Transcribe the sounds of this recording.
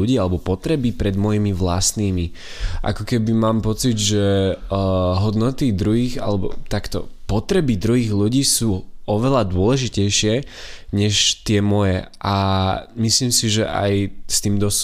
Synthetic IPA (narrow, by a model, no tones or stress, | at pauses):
uɟiːalɛbɔpɔt̪ɾɛbipɾɛd̪mɔjimiʋla̰st̪niːmi | ʔa̰kɔkɛbimaːmpɔt͡sid̪ʒɛ | ɦɔd̪nɔt̪id̪ɾuɦiːɣa̰lɛbɔ̰t̪akt̪ɔ̰pɔt̪ɾɛbid̪ɾuɦiːɣluɟiːsuːɔʋɛlad̪ʊɔlɛʒicɛjʃɪɛɲɛʃt̪ɪɛmɔjɛʔamisliːmsiʒɛʔa̰jst̪iːmd̪ɔs